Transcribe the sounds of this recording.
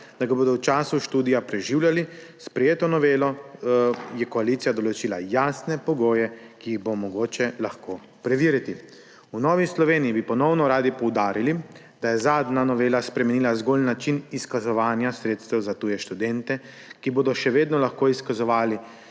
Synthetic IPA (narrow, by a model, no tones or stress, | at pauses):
d̪̥aɡaboːd̪ɔwt͡ʃaːsuʃt̪uːd̪ijapɾɛʒiːwljalispɾɛjeːt̪ɔnɔʋeːlɔ | jɛkɔalit̪sijad̪ɔlɔt͡ʃiːlajaːsnɛpɔɡoːjɛkiːɣbomɔɡoːt͡ʃɛlaxko | pɾɛʋiːɾit̪i | unɔːʋislɔʋeːniibipɔnɔwnɔɾaːd̪ipɔwd̪aːɾili | d̪̥ajɛzaːd̪nanɔʋeːlaspɾɛmɛniːlazɡolnat͡ʃiniskazɔʋaːnjasɾeːt̪st̪ɛwzat̪uːjɛʃt̪ud̪ɛnt̪ɛ | kiboːd̪ɔʃɛʋeːd̪nɔlaxkoːiskazɔʋaːli